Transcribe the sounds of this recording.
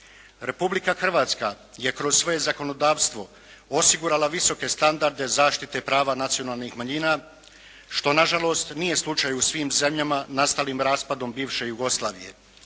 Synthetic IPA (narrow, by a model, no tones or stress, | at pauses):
ɾe̞publikaxr̩ʋaːt̪ska | je̞kɾo̞zsʋo̞je̞zako̞no̞d̪aːʋst̪ʋo̞ | osiɡuɾalaʋiso̞ke̞st̪and̪aɾd̪e̞zaːʃt̪it̪e̞pɾaːʋanat̪sijonaːlˠnixmaɲiːna | ʃt̪o̞naʒalˠo̞ːst̪nije̞slˠut͡ʃajusʋiːmze̞mʎamanast̪aliːmɾaːspad̪o̞mbiːʋʃe̞juɡo̞slˠaːʋije̞̰